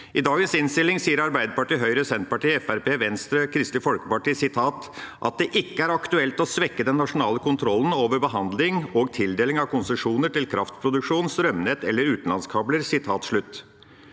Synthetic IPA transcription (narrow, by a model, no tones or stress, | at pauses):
ʔɪd̪ɑːɡənsɪnst̪ɪlːɪŋsiːəɾɑɾbæɪd̪əpɑʈiːɦœʏɾəsɛnt̪̚pɑʈiːɛfæɾpeːʋɛnst̪ɾəkʰɾɪst̪ɪfɔlkəpɑʈiːsɪt̪ʰɑːt̪ | ʔɑ̰t̪̚d̪ɛʔɪkːəæɾɑkt̪ʉɛlt̪ɔsʋɛkːəd̪ɛnːɑʂʊnɑːləkʊnt̪ʰɾɔlːn̩oːʋəɾbəɦɑnd̪lɪŋoːɡ̚t̪ʰɪld̪eːlɪŋɑʋkʰʊnsəʂuːnəʈɪlkʰɾʔɑft̪pʰɾʊd̪ʉkʂuːnst̪ɾœmnɛt̪ɛlːəɾʉːt̪n̩lɑnskʰɑbləɾsɪt̪ʰɑːt̪ʂɭʉt̪ː